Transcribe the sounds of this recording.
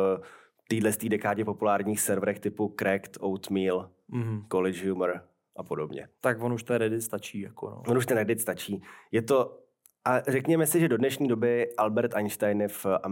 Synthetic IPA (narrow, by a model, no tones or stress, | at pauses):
t̪iːdlɛst̪iːdɛkaːdɲɛpo̞pulaːɾɲiːxsɛɾvɾɛxt̪ɪpukɾɛkt̪owt̪miːl̩ | ɦ̩kolɪʒjumɾ | ʔapo̞do̞bɲɛ̰t̪akvonuʃt̪ɛnɾɛdɪt̪st̪at͡ʃiːjako̰no̰vonuʃt̪ɛnɾɛdɪt̪st̪at͡ʃiːjɛt̪o̞ | ʔarɛkɲɛmɛsɪʒɛdo̞dnɛʃɲiːdo̞bɪʔalbɛɾt̪anʃt̪ajnfʔam